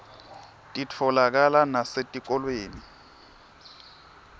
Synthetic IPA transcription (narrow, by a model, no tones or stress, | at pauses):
tʼit͡fʰɔlak̬alanasetʼik̬ɔlweːni